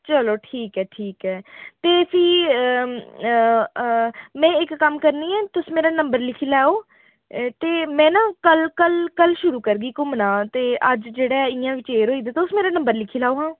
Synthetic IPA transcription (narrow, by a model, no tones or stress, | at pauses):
t͡ʃəloːʈʰiːkɦɛːʈʰiːkɛːt̪eːsiː | mɛ̃ːɪkːəmkəɾniːɛ̃ːt̪ʊsmeːɾaːnəmbəɾlɪkʰiːlɛːoː | t̪eːmɛ̃ːnãːkəlkəlkəlʃʊɾuːkəɾɡiːkʊmnãːt̪eːʔəd͡ʒd͡ʒeːɽɛːɪjãːʋɪt͡ʃeːɾɦoːiːd̪aːt̪eʊsmeːɾaːnə̃mbəɾlɪkʰiːlaːoːɦãː